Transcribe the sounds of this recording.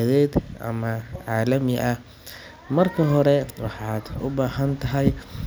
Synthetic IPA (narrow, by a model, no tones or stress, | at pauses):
ðɛːd̪ɐ̰mɐʕɑːlɐmɪʔɐh | mɐrkʰɐɦɔɾɛwɑħɑːd̪ʊbaːɦɐnt̪ʰɐɦɐj